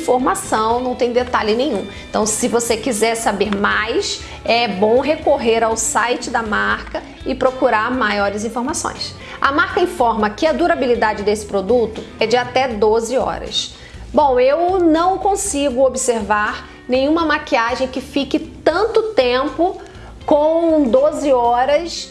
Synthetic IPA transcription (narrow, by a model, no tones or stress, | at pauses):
foɾmasɐ̃w̃nɐ̃w̃t̪ẽj̃d̪et̪alɪnẽj̃ũẽt̪ɐ̰̃w̃sɪvosekizɛɾsabeɾmajs | ɛbõw̃ɦekoɦeɾawsajt͡ʃɪd̪ɐmaɾkɐ | ɪpɾokuɾaɾmajɔɾɪzĩfoɾmasõ̰j̃s | ɐ̰maɾkɐĩfɔɾmɐkɪɐd̪uɾabilid̪ad͡ʒɪd̪esɪ̥pɾod̪ut̪ʊɛd͡ʒɪat̪ɛd̪ozɪɔ̰ɾɐ̰s | bõw̃ewnɐ̃w̃kõsiɡʊobiseɾvaɾ | nẽj̃ũmɐmakiaʒẽj̃kɪfikɪt̪ɐ̃nt̪ʊt̪ẽpʊ | kõd̪ozɪɔɾɐs